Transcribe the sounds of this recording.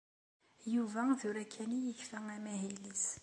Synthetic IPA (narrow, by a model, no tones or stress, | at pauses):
juvæθʊɾækʰːænijəçfæŋæmæɦilis